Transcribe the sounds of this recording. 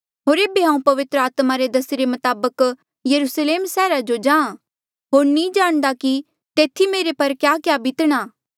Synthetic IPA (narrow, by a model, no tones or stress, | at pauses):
ɦoːɾeːbeɦãːũpɐʋɪt̪ɾəaːt̪maɾed̪ɐsiɾemɐt̪aːbək | jɐɾuːsleːmsɛːɾad͡ʒod͡ʒãːã | ɦoːɾnĩd͡ʒaːɽ̃d̪aki | t̪eːt̪ʰimeːɾepɐɾkjaːkjaːbɪt̪ɽ̃aː